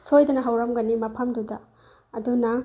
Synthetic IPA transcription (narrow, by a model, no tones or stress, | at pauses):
sʰojdɐnɐɦɐwɾɐmɡɐnimɐpʰɐmdudɐ | ɐdunaŋ